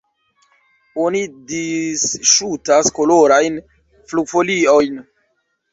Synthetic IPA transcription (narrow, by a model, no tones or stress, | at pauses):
o̞nidisʃutasko̞loɾajn | fluɡfo̞lio̞jn